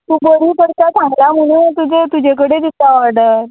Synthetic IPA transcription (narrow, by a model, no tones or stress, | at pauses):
t̪uːbəɾipəɾt̪asãŋɡlam̤əɽ̃ut̪ud͡zet̪ud͡ʑʱek̬əɽed͡z̪it̪ːaʋaɽəɾ